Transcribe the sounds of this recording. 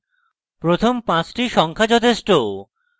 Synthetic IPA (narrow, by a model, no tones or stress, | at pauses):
pɾot̪ʰompãt͡ɕʈiʃɔŋkʰat͡ɕɔt̪ʰeʃʈo